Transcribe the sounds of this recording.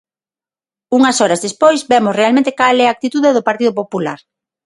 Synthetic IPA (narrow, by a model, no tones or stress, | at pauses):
uŋɐsɔɾɐzðespojzbɛmʊsrealmẽnt̪e̥kalɛɐaːk̚t̪it̪uðeðʊpaɾt̪iðʊpopula̰ɾ